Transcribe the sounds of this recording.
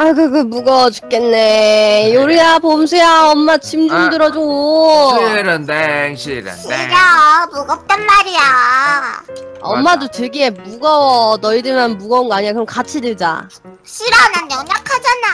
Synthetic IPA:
akɯɡɯmuɡʌd͡ʑu̥k͈enːe̞joɾiapomsʰujaʌmːat͡ɕʰimd͡ʑuŋdɯɾʌd͡ʑuɡoiɾɯndeŋɕʰiɾɯ̰niɾʌmuɡʌp̚t͈anmaɾija | ʌmːadotɯɡie̞muɡʌwʌnʌidɯmjʌnmuɡʌunɡoaɲiakɯɾʌmkat͡ɕʰidɯɭd͡ʑa̰ | ɕʰiɾanaʌɲakʰad͡ʑana

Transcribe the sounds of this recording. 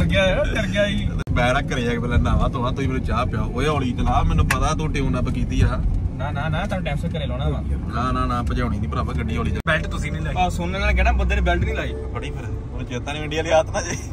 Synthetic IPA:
kəɾɡaːkəɾɡɪaːi | bɛːɽaːkːəɾeːɛːpɛːlɛːnãːʋãːt̪õːaːt̪ʊiːmɛːnũːt͡ʃaːpɪjaːooːoːliːd͡ʒəlaːmɛːnːũːpət̪aːt̪õːʈeːũːnãːpəkiːt̪iːaːnaːnãːnãːt̪ãːʈɛ̃ːmsəkəɾeːlɔːɽ̃ãːãːnaːnãːnãːpət͡ʃaːʊñiːd̪iːpəɾaːpəkəɖiːoːliːd͡ʒbɛːlʈt̪ʊsĩːnĩːlaːɔsʊnə̃ɡãːɡɛɽãːbəd̪əɾbɛːlʈnĩːlaːiːbəɽiːpʰəɾ | od͡ʒeːt̪ãːnĩːɪɳɖijaːliːaːt̪nãːd͡ʒiː

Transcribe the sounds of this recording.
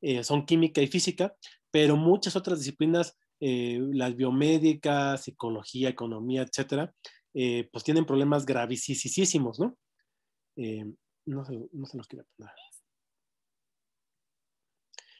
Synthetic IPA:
eso̞ŋkimikaifisika | pe̞ɾo̞mũt͡ʃaso̞t̪ɾazðis̬iplinas | elazβjo̞me̞ðikasiko̞lo̞xiaeko̞nõ̞miaet̪se̞t̪e̞ɾa | epwest̪je̞ne̞mpɾoβle̞mazɣɾaβ̞isisisisimo̞zno̞ | e | no̞selono̞seloskeɾapond̪aɾles

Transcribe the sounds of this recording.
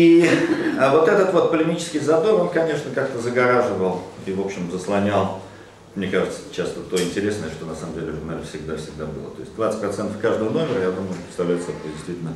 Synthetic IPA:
i | vo̞t̪ɛt̪ət̪vo̞t̪̚pəlʲɪmʲit͡ɕɪ̥skʲɪjzɐd̪oɾo̞nkɐnʲe̞ʂnəkak̚t̪əzəɡɐɾaʐɨvəlˠivo̞pɕːɪmzəslˠɐnʲalˠ | mnʲekaʐɨt̪sə̥t͡ɕast̪ət̪o̞ɪnʲtʲɪɾʲe̞snəjəʂt̪o̞nɐsaməmdʲelʲɪɾʲɪvnalʲɪfsʲɪɡd̪afsʲɪɡ̚d̪abɨ̰lˠə̰t̪o̞ɪsʲt̚ʲd̪vat̪sət̚ʲpɾɐt̪sɛnt̪əfkaʐd̪əvəno̞mʲɪrəjad̪uməjʊpɾɪtst̪ɐvlʲæjɪt̪sɛpodʲɪst̪vʲitʲlnə

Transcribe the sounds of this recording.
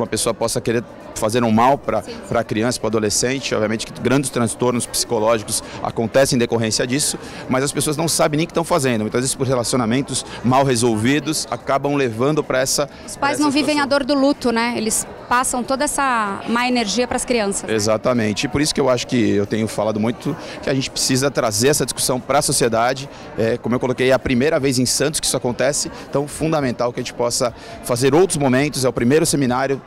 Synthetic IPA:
umɐpesoɐpɔsɐkeɾeɾ | fazeɾʊ̃mawpɾɐpɾɐkɾiɐ̃sɐ̥pɾʊad̪olesẽnt͡ʃɪɔ̰bviɐmẽnt͡ʃɪkɪɡɾɐ̃d͡ʒɪst̪ɾɐ̃st̪oɾnʊspsi̥kolɔʒikʊsa̰kõnt̪ɛsɪ̃d̪ekoɦẽsiɐd͡ʒisʊ | mɐzɐspesoɐznɐ̃w̃sabẽnẽj̃kɪ̥st̪ɐ̃w̃fazẽnd̪ʊmũt̪ɐzvezɪspoɾɦelasionamẽnt̪ʊsmawɦezowvid̪ʊsa̰kabɐ̃w̃levɐ̃nd̪ʊpɾɐɛsɐ | ʊspajzznɐ̃w̃vivẽj̃ɐd̪oɾd̪ʊlut̪ʊnɛelɪs | pasɐ̃w̃t̪od̪ɐɛsɐmaeneɾʒiɐpɾɐskɾiɐ̃sɐsezat̪ɐmẽnt͡ʃɪɪpoɾisʊ̥kɪewaʃʊ̥kɪewt̪ẽɲʊfalad̪ʊmũj̃t̪ʊ | kɪɐʒẽnt͡ʃɪ̥pɾe̥sizɐt̪ɾazeɾɛsɐd͡ʒisku̥sɐ̃w̃pɾɐsosied̪ad͡ʒɪ | ɛkõmʊewkolokejɐpɾimejɾɐvejzẽj̃sɐ̃t̪ʊ̥skɪisʊakõnt̪ɛsɪ | t̪ɐ̃w̃fũd̪amẽnt̪awkɪɐʒẽt͡ʃɪpɔsɐ | fazeɾowt̪ɾʊzmomẽnt̪ʊzɛʊpɾimejɾʊseminaɾjʊ

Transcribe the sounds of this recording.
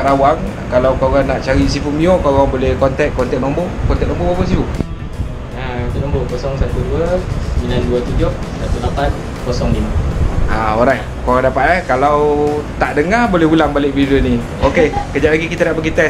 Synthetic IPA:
ɾawaŋ | kalawkaɣaŋnaʔt͡ʃaɾisifumiokaɣaŋbolɛhkɔnt̪ɛk̚kɔnt̪ɛk̚nɔmbokɔnɛk̚nɔ̃mbobabos̬ifu | at̪unɔ̃mbokɔsɔŋsat̪uduəsəminanduət̪ud͡ʒʊh | sat̪ulapan | kosɔŋliməʔaoɾajt | koɣaŋdapat̪̚lakalawt̪aʔdəŋabolɛhulaŋbalɪk̚vidioni | okekəd͡ʒaʔlaɡikit̪ənaʔbəɡit̪ɛ

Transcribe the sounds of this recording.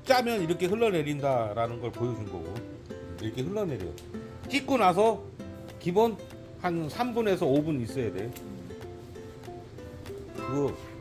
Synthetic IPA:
t͡ɕ͈amjʌniɾʌkʰe̞ɸɯɭːʌne̞ɾindaɾanɯnɡʌɭpojʌd͡ʑunɡʌ̰ɡo | iɾʌkʰe̞ɦɯɭːʌne̞ɾḭɡʌ̰ | t͡ɕ͈ik͈unas̬ʰʌ | kibon | hansʰambune̞sʰʌobunis͈ʌjade̞o | kɯɡʌ

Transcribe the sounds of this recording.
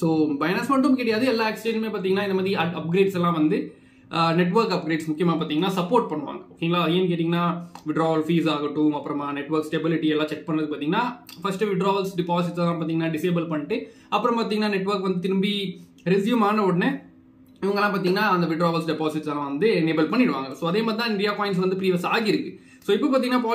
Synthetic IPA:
soːbɐjnɐsmɐʈːɯmkɪːɽɪjaːðɯɛlːãːɛkst͡ʃeːd͡ʒmeːpaːɾt̪iŋɡɐnaːɪnd̪ɐmaːðɾiɐɐp̚ɡɾeːɖsɛlːãːʋɐnd̪ɯ | nɛʈ̬ʋɐɾkɐp̚ɡɾeːɖsmʊkːɪjɐmaːpaːɾt̪iŋɐnːaːsɐpːoːɾʈ̚pɐɳːɯʋa̰ːŋɡɐoːkːɪːŋɡɐlãːɐðɯjenkeːʈ̪ːiŋɡɐnːaːʋɪɖɾaːʋɐlfiːsaːɣɐʈːʊ̃ɐpːɯɾɔ̃maːnɛʈʋɐɾksʈebɪlɪʈiɛlːãːt͡ʃɛk̚pɐɳːɾɐðɯk̚paːt̪iːŋɡɐnaːfɐsʈɯʋɪɖɾaːʋɐlsɖɪpaːs̬ɪʈsãːpaːt̪iːŋɡɐnːaːɖɪseːbɐlpɐɳːɪʈːɯ | ɐpːɯɾɔ̃mpaːt̪ĩːŋɡɐnaːnɛʈːʋɐɾkʋɐnd̪ɯt̪ɪɾɯmbi | ɾɛsjuɐmaːnɐoːɽɐnɛ | ɪʋɐŋɡɐlːãːpaːɾt̪iːŋɡɐnːaːɐnd̪ɐʋɪɖɾaːʋɐlsɖɪpaːsɪʈsaːnɐ̃ʋɐnd̪ɯneːbɐlpɐɳːɪɽɯʋaːŋɡɐsoːɐðeːmaːðt̪ɪt̪ãːɪnɾijaːpɔːɪ̃ɳʈsʋɐnd̪ɯpɪɾiːʋɐsaːɣɪɪɾɯkːɯ | soːɪpːɐpaːɾt̪ĩːŋɡɐnːaːpaː

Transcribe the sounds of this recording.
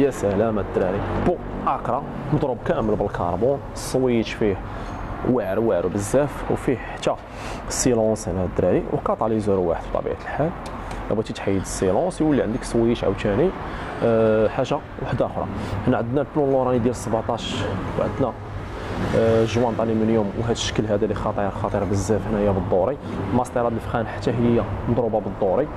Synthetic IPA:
jæsəlæmæd̪ɾæɾibu | ʔɑkɾˤɑ | md̪ˤɾubkæməlbəlkʰɑ̰ɾˤbunəsˤːwiət̪fi | waʕɾwaʕɾbəzːæfwfiħt̪ːæ | silɑ̃shnæd̪ɾæɾiwkɑt̪ˤɑʕlizuɾwa̰ħəd̪b̚t̪ˤːɑ̰bḭʕat̪əlħal | ʔæbæt̪it̪ħəjːəd̪əsˤːilɑ̃swəlːiʕənd̪əksˤwijət̪ʕa̰wt̪æni | ħaʒːa | waħəd̪æʔxɾˤɑ̰ħnæʕəd̪nælplunlːoɾˤɑnid̪jæləsˤːəbʕt̪ˤɑʃwʕəd̪næ | ʒwɑnt̪ˤɑlimənjumwɦæt̪ə̥ʃə̥kːəlɦæd̪ælixɑt̪ˤiɾxɑt̪ˤiɾbəzːæfhənæhəjːæbəd̪ˤːoɾˤilmɑsˤt̪iɾˤɑd̪ləfxænħḁt̪ːæɦəjːand̪ˤɾubɑbəd̪ˤːoɾi

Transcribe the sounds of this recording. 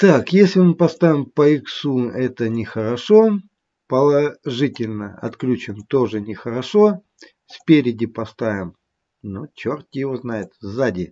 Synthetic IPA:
t̪akjesʲlʲɪmɨpɐst̪avʲɪmpəɪksuɛt̪ənʲɪxəɾɐʂo | pəlˠɐʐɨtʲɪlʲnəɐ̰t̪klʲut͡ɕɪnt̪o̞ʐɨnʲɪxəɾɐʂo̞ | sʲpʲeɾʲɪdʲɪpɐst̪avʲɪm | not͡ɕort̪ʲɪjɪvoznaɪt̪zadʲɪ

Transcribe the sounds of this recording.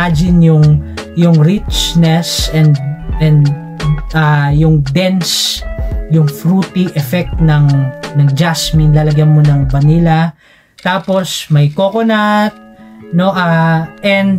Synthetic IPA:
ad͡ʒɪnjʊŋjʊŋɹit͡ʃnɛsɛnd̪ʔɛnd̪ | ajʊŋd̪ɛns | jʊŋfɾuːt̪iʔɛfɛk̚t̪nɐŋnɐŋd͡ʒasmɪnlaːlɐɡjanmonɐŋbɐniːlɐ | t̪aːpo̞smɐjkokonɐt̪̚no̞ʔaʔɛnd̪

